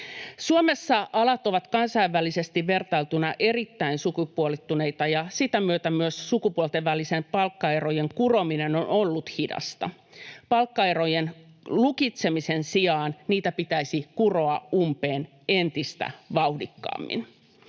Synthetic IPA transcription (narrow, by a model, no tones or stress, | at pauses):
suome̞sːɑʔɑlɑt̪o̞ʋɑt̪kɑnsɑiʋːælːise̞st̪iʋʋe̞rt̪ɑlt̪unɑʔe̞rit̪ːæinsukupuolit̪ːune̞it̪ɑjɑsit̪æmyøt̪æmyøssukupuolt̪eʋːælisempɑlkːɑero̞je̞ŋkuro̞mine̞nonolːut̪hidɑ̰st̪ɑ̰ | pɑlkːɑero̞jen | lukit̪se̞misensiɑːnniːt̪æpit̪æisikuro̞ɑumpeːn | e̞nt̪ist̪æ̰ʋɑwdikːɑ̰ːmːḭn